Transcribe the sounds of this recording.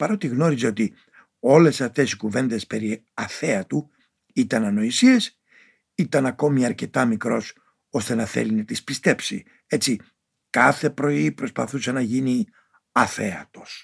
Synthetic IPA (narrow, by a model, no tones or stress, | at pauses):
pɐɾo̞t̪iɣno̞ɾizeo̞t̪i | o̞le̞sɐft̪e̞sikuve̞nd̪e̞spe̞ɾi | ɐθe̞ɐt̪u | it̪ɐnɐno̞isies | it̪ɐnɐko̞miɐɾce̞t̪ɐmikɾo̞s | o̞st̪e̞nɐθḛlinɐt̪ispist̪e̞psḭ | e̞t͡si | kɐθe̞pɾo̞ipɾo̞spɐ̰θusɐnɐʝini | ɐθeɐ̰t̪o̞s